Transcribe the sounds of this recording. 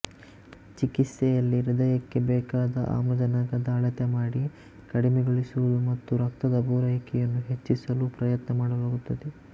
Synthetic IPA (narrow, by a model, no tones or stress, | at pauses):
t͡ʃikit̪sɛjɐlːiɾid̪ɐjɐkːe̞bɛːkaːd̪ɐ̰ʔa̰ːmɾɐd͡ʒɐnɐɡɐd̪aːɭɐt̪ɐmaːɽi | kɐɽimɛɡoɭisuʋɐd̪umɐt̪ːuɾɐkt̪ɐd̪ɐbuːɾɐjkɛjɐnːuɦe̞t͡ʃːisɐlupɾɐjɐt̪nɐmaːɽɐlaːɡut̪ːɐd̪e